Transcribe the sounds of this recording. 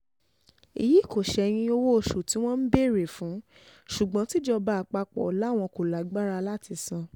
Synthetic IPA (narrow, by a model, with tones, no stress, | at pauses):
ḭ˨ji˨˦˨ko˨ʃɛ˧˦j̃ĩ˧o˧wo˦o˨ʃu˨ti˨˦w̃ɔ̃˦n̩˦be˦˨ɾe˨fũ˨˦ | ʃu˨ɡ͡bɔ̃˨˦ti˦d͡ʒɔ˧ba˦a˨k͡pa˧k͡pɔ̰˨la˨˦˨w̃ɔ̃˧ko˨la˨˦ɡ͡ba˦ɾa˧la˦˨ti˧sã˧